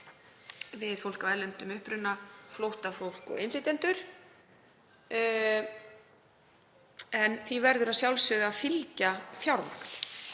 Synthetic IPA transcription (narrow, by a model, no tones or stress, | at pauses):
vɪðfowlkavɛɾlɛnt̪ʏmʏhpɾʏnːaflowht̪afowl̥kɔ̰ɣɪnlɪt̪ɛnt̪ʏɾ̥ | ɛnθivɛɾðʏɾaðsjawlsʏɣðaːfɪlcafjawɾma̰kn̥